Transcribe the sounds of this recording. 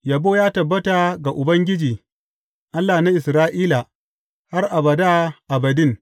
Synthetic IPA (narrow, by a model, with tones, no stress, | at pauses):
ja˨boː˦jaː˦tɐ˨bːɐ˦ta˨ɡa˨ʔʊ˨bɐ˦ŋɡʲɪ˦d͡ʒiː˨ | ʔa˦lːa˨na˦ʔɪ˨sɾaː˦ʔiː˦la˨ | ha˦rʔa˨bɐ˨da˦ʔa˨bɐ˨dɪ˦n